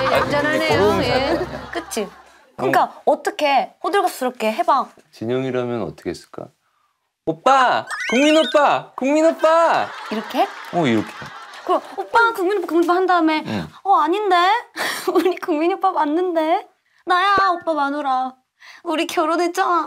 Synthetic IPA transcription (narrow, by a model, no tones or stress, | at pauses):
jead͡ʑanɯɭɦejojek͈ɯt͡ɕʰi | kɯŋk͈aʌt͈ʌkʰe̞hodɯɭɡap̚s͈ɯɾʌp̚k͈e̞ɦe̞baŋ | t͡ɕiɲʌŋiɾaamjʌnʌ̰t͈ʌ̥kʰes͈ɯɭk͈a̰ | op͈akuŋminop͈akuŋminop͈aiɾʌkʰe̞ʌiɾʌkʰe̥kɯɾoop͈akuŋminpkuŋahandaɯme̞ʌaɲinde̞uɲikuŋminop͈amanːɯnde̞ | najaop͈amanoɾa | uɾikʰeoɾonet̚t͡ɕ͈a